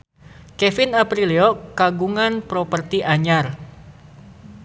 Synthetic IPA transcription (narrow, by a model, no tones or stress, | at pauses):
kɛfɪnapɾiliɔkaɡuŋanpɾopərt̪iʔaɲar